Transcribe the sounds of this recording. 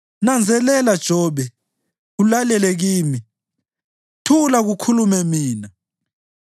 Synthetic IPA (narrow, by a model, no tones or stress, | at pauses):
nand͡zʱɛlɛlad̥ʒ̥ʱɔːɓɛ | ulalɛlɛɣ̬iːmi | tʰulaɣukʰulumɛmiːna